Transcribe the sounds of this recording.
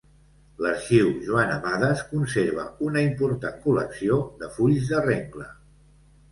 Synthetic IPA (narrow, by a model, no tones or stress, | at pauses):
ləɾʃiwʒuanəmaðəskunseɾβ̞ə̰unəimpuɾt̪aŋkulə̰ksioðəfuʎzðəreŋklə